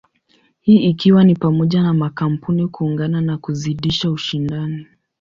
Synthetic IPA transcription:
hiːikiwanipamɔʄanamakam̩punikuːŋɡananakuziɗiʃauʃindani

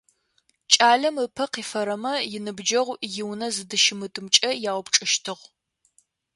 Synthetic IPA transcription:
t͡ʃʼaːɮɐmɨpʰɐqiːfɐɾɐmɐjɪnɨbd͡ʒɐʁʷjɪwnɐzɨdɨʃɪmɨtʼɨmt͡ʃʼɐjaːwpʈ͡ʂʼɨʃtʰɨʁʷ

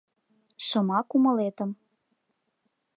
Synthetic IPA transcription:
ʃɤ̆mɑkumɤ̆let̪ə̆m

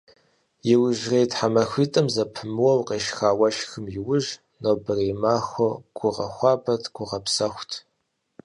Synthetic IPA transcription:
jɪwʊʒreːtħamɐxʷiːtʼɐmzɐpʰɨmɨwɐwqeːʃxaːwɐʃxɨmjɪwʊʒ | noːbɨriːmaːxʷoɡ̥ʷʊʁɐ̰xʷɑːbɐtʰʼɡʷʊʁɐpsɐxʷtʰ

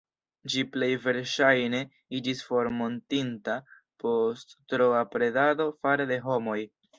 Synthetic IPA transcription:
d͡ʒiple̞jve̞ɾʃajne̞ | id͡ʒisfo̞ɾmo̞ntinta | po̞stːɾoapɾe̞dado̞faɾede̞ɦo̞mo̞j

